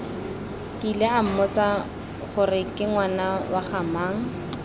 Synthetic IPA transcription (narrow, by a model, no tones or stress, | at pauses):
kʼileam̩mɔt͡sa | χʊrɪkʼɪŋwanawaχamaːŋ̩